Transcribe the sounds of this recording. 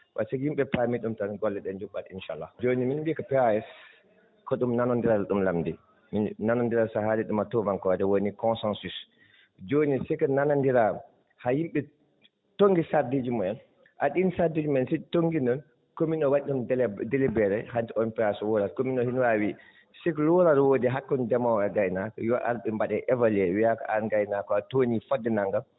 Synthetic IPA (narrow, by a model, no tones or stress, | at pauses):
wa̰sɛjimɓɛpamiɗumtanɡɔlːɛɗɛnd͡ʒuɓːatinʃa̰lːa̰d͡ʒoniminbikɔpɛajɛs | kɔɗumnanɔndiɾadɗumlamdi | minnanɔndiɾasahaɾɛɗumatɔmaŋkɔdɛwonikɔnsɛnsus | d͡ʒonisɛkɔnanandiɾa | hajimɓɛ | toŋɡisaɾded͡ʒimɔɛn | ʔaɗinsaɾded͡ʒumɛnsɛtoŋɡinɔn | kominɔwaɗɗɔndelibɛɾɛhantɛʔɔmpiasɔwɔɾaɾkominɔhinwawi | sɛkɔlɔɾaɾwoːdiɦakːɔndɛmawɛɡajnakɔ̰jɔʔa̰ɾɓɛmbaɗɛʔɛvalɛwijaka̰ʔaɾɡajnakɔatonifɔdːɛnaŋɡal